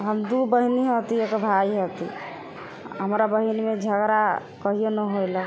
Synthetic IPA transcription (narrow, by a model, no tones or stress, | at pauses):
ɦəmd̪ubəɦiniɦot̪iekəbʱaiɦət̪ḭ | ɦəmɾabəɦinimed͡ʒʱəɡɾa | kəɦijenəɦojlə